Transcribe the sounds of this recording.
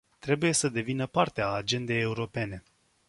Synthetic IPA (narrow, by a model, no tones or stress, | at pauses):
t̪ɾe̞buje̞səd̪e̞vinəpart̪eaːd͡ʒe̞nd̪e̞jeuɾo̞pe̞ne̞